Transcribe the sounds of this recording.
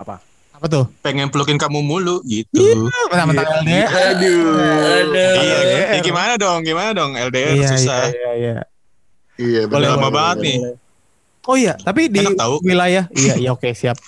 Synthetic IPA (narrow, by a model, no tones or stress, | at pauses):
apa̰ | apat̪̬ʊhpeŋɛnpəlukɪnkamumuluɡit̪umt̪amənmɛldedu | dɛdejaɡimanadɔŋɡimanadɔŋɛldeɛirasusaijaija̰ | ijabolɛlamabaŋət̪̚nɪ | oijat̪ap̬idinakt̪auwilajahijaijaokesiap̚